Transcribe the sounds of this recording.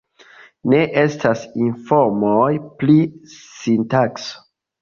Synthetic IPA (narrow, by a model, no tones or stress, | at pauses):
ne̞ʔe̞stasinfoɾmojplisintakso̥